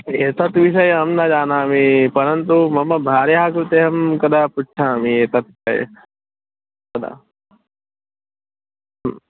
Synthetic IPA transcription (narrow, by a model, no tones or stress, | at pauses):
eːt̪ɐt̪ʋiʃ̬ɐjeɦɐmnad͡ʒaːnaːmipɐɾɐnt̪umɐmːɐbʱaːɾjaakɾut̪eɦɐmkɐd̪ʱapuʈːt͡ʃʰamieːt̪ɐt̪̚ | ɐjḛ | ɐd̪a̰ | m